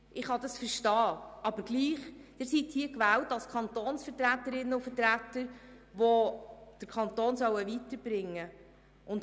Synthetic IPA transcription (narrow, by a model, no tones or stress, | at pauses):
ʔɪχhɑdɑsfəɾʃtɑːɑb̥əɾɡ̥liːχd̥ɪɾsithiəkʋæːwtɑlskʰɑntoːnsfəɾtɾætəɾɪnːəʊfəɾtɾætəɾʋod̥əɾkʰɑntoːnsœwəʋitəɾb̥ɾɪŋːə | ʔʊnt